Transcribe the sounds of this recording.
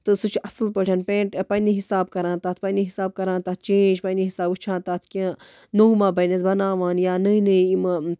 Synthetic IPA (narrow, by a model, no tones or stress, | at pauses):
t̪ɨsut͡ʃʰɐsɨlpəʈʰʲɐnpẽːɳʈpɐniɦisaːbkɐɾãːt̪aːt̪ʰpɐniɦisaːb̚kɐɾãːnt̪aːt̪̚ʰt͡ʃẽːd͡ʒpɐniɦisaːbut͡ʃʰãːt̪aːt̪ʰkʲẽː | noumãːbɐjnɐzbɐnaːʋaːnjaːnɨinɨiimɨ